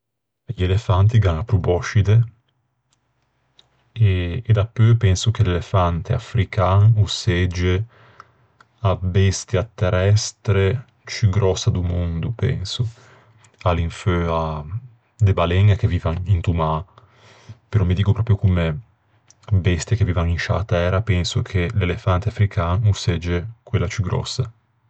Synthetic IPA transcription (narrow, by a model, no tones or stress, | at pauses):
ʎelefant̪̬iɡaŋapːɾubɔʃid̪e | eːd̪apːøpɛnsuk̟elelefant̪ea̰fɾikaŋusɛd͡ʒe | abɛst̪jat̪ːerɛst̪ɾe | t͡ʃyɡɾɔsːad̪umond̪upɛ̰nso | aliɱføa | d̪ebalɛŋak̟evːiːvaŋint̪uma | peɾɔmːid̪iːkopɾɔːpɾjokome | bɛst̪jakeviːvaninʃa̰t̪ɛːɾapɛnsokʰelelefant̪eafɾikʰaːnusɛd͡ʒːekwelːat͡ʃyɡɾɔ̰sːa